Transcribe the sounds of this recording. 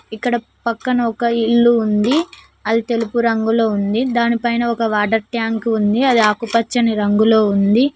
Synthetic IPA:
ikːɐɽɐ | pɐkːɐnɐɔkɐiɭːuːnd̪i | ɐd̪it̪e̞lupuɾɐŋɡulo̞ːund̪id̪aːnipɐjnɐɔkɐʋaːʈɐɾʈjaːŋkund̪iɐd̪iaːkupɐt͡ʃːɐniɾɐŋɡulo̞ːund̪i

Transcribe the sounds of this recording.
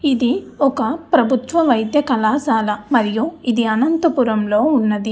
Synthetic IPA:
id̪iɔkɐpɾɐbʱut̪ʋɐʋɐjd̪jɐkɐlaːsaːlɐmɐɾijuid̪iɐnɐnt̪ɐpuɾɐmlo̞ːunːɐd̪i

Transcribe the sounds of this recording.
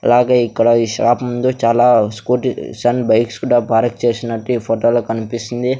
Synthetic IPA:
ɐ̰laːɡeːikːɐɽɐiːʃa̰ːpɐmund̪ut͡ʃaːlaːskuːʈsɐnbɐjkskuːɽaːbaːɾɐk̚t͡ʃe̞ːsinɐʈːipʰoːʈoːloːkɐnipisind̪i

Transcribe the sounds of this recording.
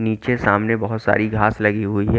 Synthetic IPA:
niːt͡ʃesaːmnebɐɦʊt̪sa̰ːɾiɡʱaːslɐɡiɦʊiɦɛ

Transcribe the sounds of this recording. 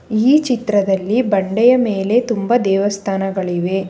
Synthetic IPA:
iːt͡ʃit̪ɾɐd̪ɐlːibɐɳɖɛjɐmeːle̞t̪umbɐd̪ɛːʋɐst̪ʰaːnɐɡɐɭiʋe̞

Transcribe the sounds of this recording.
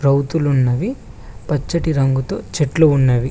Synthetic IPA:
ɾɐwt̪ulunːɐʋi | pɐt͡ʃːɐʈiɾɐŋɡut̪o̞ːt͡ʃeʈluunːɐʋi

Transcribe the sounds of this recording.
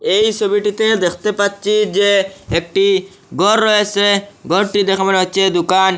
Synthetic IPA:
ejt͡ʃʰobiʈit̪ed̪ekʰt̪epatːt͡ʃʰid͡ʑeek̚ʈi | ɡɔɾːɔet͡ʃʰeɡɔɾʈid̪ɛkʰabɔneɦotːt͡ʃʰed̪ukan

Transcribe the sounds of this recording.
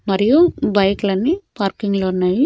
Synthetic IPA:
mɐɾijubɐjklɐnːipaːɾkiŋɡloːunːaːji

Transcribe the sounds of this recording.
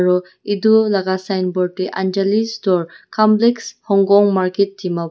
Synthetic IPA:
ɹɔ | idulaɡasajnbɔɹteʔand͡ʒalistɔɹkʰamplekshɔŋɡɔŋmaɹket̚dima

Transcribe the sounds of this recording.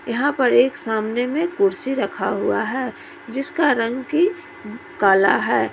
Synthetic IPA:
jɐɦãpəɾeːksaːmnemẽkʊɾsiɾɐkʰaɦʊa̰ɦɛː | d͡ʒɪskaɾə̃ŋɡki | kaːla̰ɦɛː

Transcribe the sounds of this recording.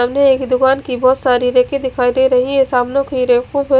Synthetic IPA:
amneeːkd̪ʊkaːnkibɔːt̪saːɾiɾeːked̪ɪkʰaːid̪eɾɐɦĩesaːmnõkiɾekũpe

